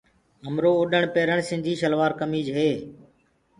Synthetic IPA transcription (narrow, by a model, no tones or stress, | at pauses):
ɦəmɾoːʊɗəɳpeːɾəɳsɪ̃nd͡ʒ̪ʱiːʃəlʋaːɾkəmiːd͡ʒɦeː